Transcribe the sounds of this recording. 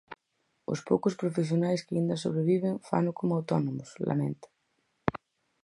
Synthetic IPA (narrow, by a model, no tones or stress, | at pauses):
ʊ̰spowkʊspɾofes̬jonajskaind̪ɐsoβɾeβiβeŋfa̰nʊkomʊawt̪ɔnomʊsla̰mḛ̃nt̪ḁ